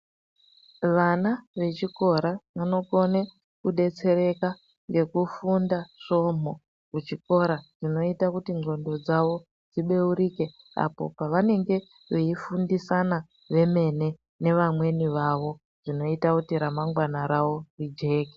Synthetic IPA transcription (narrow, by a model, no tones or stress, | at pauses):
ʋanaʋe̞t͡ʃiko̞ɾaʋano̞ko̞ne | kuɗe̞t͡se̞ɾe̞ka | ŋɡe̞kufundaʂo̞ːm̤o | kut͡ʃiko̞ɾaʐino̞itakutiŋɡo̞ndo̞d͡zaʋo̞ | d͡ziɓe̞uɾike̞ | a̰po̞̰paʋane̞ŋɡe̞ | ʋeifundisana | ʋe̞me̞ne̞ | ne̞ʋamwe̞niʋaʋo̞ | ʐ̥ino̞itakutiɾamaŋɡwanaɾawo̞rid͡ʒe̞ːke